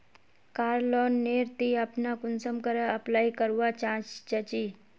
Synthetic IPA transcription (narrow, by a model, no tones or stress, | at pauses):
kaːɾlɔːnːeːɾt̪iɐpnakʊnsəmkəɾəɐplaːikəɾuwat͡ʃãːt͡ʃt͡ʃət͡ʃiː